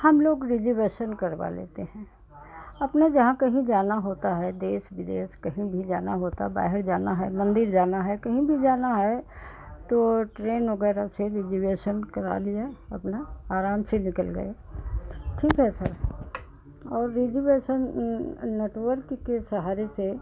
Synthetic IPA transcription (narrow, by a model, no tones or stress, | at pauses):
hɐmloːɡɾɪd͡ʒiʋeːʃənkɐɾʋa̰lḛːt̪eɦɛ̃ː | ɐpned͡ʒɐɦãkɐɦĩd͡ʒaːnaɦoːt̪aɦɛd̪eːʃʋɪd̪eːʃkɐɦĩbʱid͡ʒaːnaɦoːt̪aba̰ːɦɪɾd͡ʒaːnaɦɛmɐ̃nd̪ɪɾd͡ʒaːnaɦɛkɐɦĩbʱid͡ʒaːnaɦɛ | t̪oʈɾeːnʋɐɡɛːɾaseɾɪd͡ʒiʋeːʃənkɐɾa̰ːliaɐpnaaːɾaːmsenɪkəlɡɐ̰e | ʈʰiːkɦɛsɐɾ | ɔːɾːɪd͡ʒiʋeːʃənː | eːʈwəɾkkesɐɦaːɾese